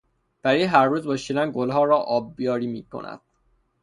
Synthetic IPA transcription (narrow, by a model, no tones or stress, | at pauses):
b̥æɾiːɦæɾːuːzbɒʃid̪ænɡolɦɒːɾɒːʔɒːb̚ːijɒːɾiːmiːkʰo̰næ̰d̪̥̚